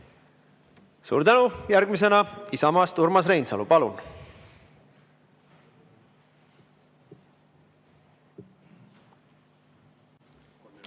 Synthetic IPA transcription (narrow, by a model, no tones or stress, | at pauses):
sṵːɾt̪ænujæɾɡmis̬e̞nɑisɑmɑst̪uɾmɑs̬re̞jnsɑ̰lupɑlṵn